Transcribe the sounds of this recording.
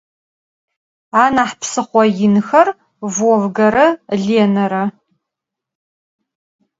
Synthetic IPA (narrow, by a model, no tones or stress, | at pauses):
aːnaːħpʰsɨχʷɔjɪnɨxɐr | vɔvɡɐɾɐɮeːnɐɾɐ